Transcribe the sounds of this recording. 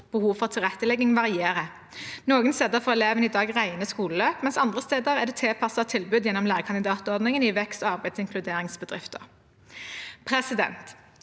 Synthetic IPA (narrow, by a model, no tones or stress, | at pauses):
b̥əhuːʋfɔʁt̪ʰɪlʁɛt̪ːəlɛɡɪŋʋɑʁɪeːʁə | noːɡənst̪eːd̪əʁfɔʁɛleːʋəniːd̪ɑːɡʁæɪnəskuːləløːpmɛnsɑnd̪ʁəst̪eːd̪əʁɛʁd̪ɛːt̪ʰeːpʰɑsɑt̪ʰɪlbʉd̪jɛnːɔmlæːʁəkʰɑnɪd̪ɑːt̪ɔʁd̪nɪŋənɪʋɛkst̪oɑʁbæɪd̪sɪŋkʰlʉd̪eːʁɪŋsbəd̪ʁɪ̰ft̪ə̰ʁ | pʰʁɛsɪd̪ɛ̰nt̪